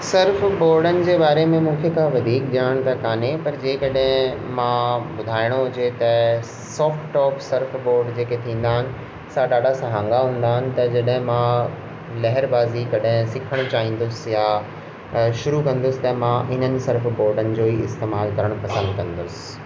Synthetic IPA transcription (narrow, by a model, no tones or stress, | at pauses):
sɪɾfboːɾɖənɪ̆d͡ʑeːbaːɾemẽmũːkʰekʰãʋɐd̪ʱiːkɗiəɽ̃t̪ɐkaːnepɐɾd͡ʑeːkɐɗɦɪ̃mãbʊd̪ʱaːɪɽ̃oɦʊd͡ʑet̪ɐ | sɔːfʈɔːpsɐɾfboːɾɖd͡ʑeːket̪ʰĩːn̆d̪aːɦɪnɪ̆ | saɗaːɖasɐɦãːŋɡaɦũːn̆d̪aːɦɪnɪ̆t̪ɐd͡ʑɐɗɦɪ̃mã | lɐɦɪɾbaːzikɐɗɦɪ̃sɪkʰəɽ̃t͡ɕaːɦĩːn̆d̪ʊsɪja | ʃʊɾukɐ̃nd̪ʊsɪ̥̆t̪ɐmãʔɪn̤ənɪ̆sɐɾfboːɾɖənɪ̆d͡ʑoːiɪst̪eːmaːlkɐɾəɽ̃ʊpɐsə̃nd̪kɐ̃nd̪ʊsɪ̥̆